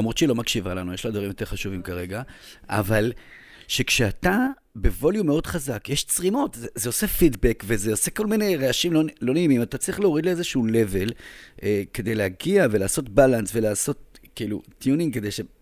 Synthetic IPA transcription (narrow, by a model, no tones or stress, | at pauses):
lamʁot̪t͡ʃilo̞makʃivalanujeʃlad̪vaʁimjo̞teχaʃuvimkaʁe̞ɡa | a̰val | ʃe̞kʃeat̪a | be̞vo̞ljumeo̞dχazakjeʃt͡sʁimo̞tzezeo̞se̞fidbekvezeo̞se̞ko̞lmine̞jʁeaʃimlonlo̞neimimat̪at͡sʁiχleoʁid̪leezeʃuːle̞ve̞lʔeke̞d̪e̞jleaɡiave̞laːso̞tbalansve̞laːso̞tkiilṵt̪ijuniŋkede̞jʃe